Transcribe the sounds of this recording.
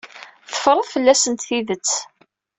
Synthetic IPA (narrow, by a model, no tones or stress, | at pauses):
θə̥fɾˤəðˤfəlːæsənt̪θiðət͡sː